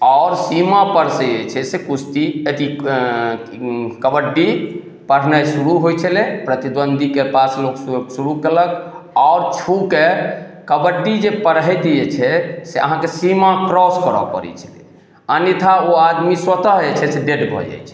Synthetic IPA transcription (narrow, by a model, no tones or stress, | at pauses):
aʊɾsimapəɾseet͡ʃʰɛsekut͡ʃʰt̪iet̪i | kəbəɖːi | pəɾ̤nəsuɾuɦojt͡ʃʰəlɛpɾət̪id̪bənd̪ʱikepaslokssuɾukələkaʊɾt͡ʃʰuke | kəbəɖːid͡ʒepəɾɦɛt̪iet͡ʃʰɛseʔə̰ɦãkesimakɾɔskəɾɔ̰pə̰ɾɛ̰t͡ʃʰə̥lɛ̰ | ənit̪ʰaoad̪miswət̪əɦet͡ʃʰɛseɖeɖbʱɔ̰d͡ʒa̰jt͡ʃʰɛ̥